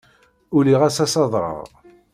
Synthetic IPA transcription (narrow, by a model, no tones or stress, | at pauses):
ʊliʁæsæsɑðˤɾˤɑ̰ʁ